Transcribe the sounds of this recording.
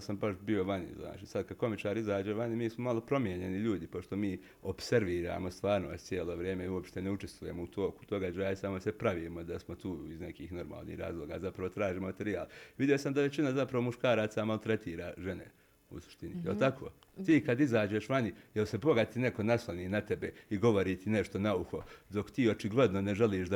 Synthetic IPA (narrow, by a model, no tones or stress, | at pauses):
sambaʃbio̞ʋanḭzna̰ːt͡ʃisad̪kad̪̚ko̞mit͡ʃaːɾizaːd͡ʒeːʋaɲimiːsmomalo̞pɾo̞mje̞ɲe̞niʎuːd̪ipo̞ʃt̪o̞miː | o̞bse̞ɾʋiːɾa̰ːmost̪ʋaːɾnoːst̪t̪sjeːlˠo̞ːʋɾjeːmeuo̞pʃt̪eneut͡ʃe̞st̪ʋuje̞mout̪ʰo̞ːku̥t̪o̞ɡad͡ʒaːjaisamosepɾaʋiːmod̪asmo̞t̪uːizne̞kiːxno̞ɾma̰ːlˠnḭːhɾa̰ːzlˠoːɡa̰ːzapɾaʋo̞t̪ɾaːʒiːmomat̪eɾiaːlʋid̪jijo̞samd̪aʋe̞t͡ɕinazapɾaʋo̞muʃkaːɾaːt̪samalt̪ɾet̪iːɾaːʒe̞ne̞̰ | ṵsu̥ʃt̪inijelt̪akʰo̞̰ː | t̪iːkad̪izaːd͡ʑeʃʋanijelse̞bo̞ɡat̪ine̞ko̞naslaniːnat̪e̞beiɡo̞ʋo̞ɾiːt̪ine̞ʃt̪onauxo̞d̪o̞kt̪iːo̞t͡ʃiɡle̞d̪no̞ne̞ʒeliːʃd̪